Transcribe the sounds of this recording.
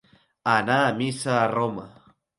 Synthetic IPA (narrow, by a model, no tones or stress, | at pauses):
anamisaɾoma̰